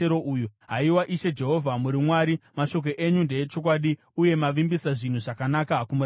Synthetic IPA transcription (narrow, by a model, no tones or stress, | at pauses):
eɾoujuɦaiwaʔiʃe̞d͡ʒe̞ɦo̞vʱamuɾimwaːɾimaʃo̞k̬o̞ʔe̞ɲunde̞et͡ʃo̞k̬waːɗi | uje̞maʋimbisaʐin̤uʐakanakakumuɾ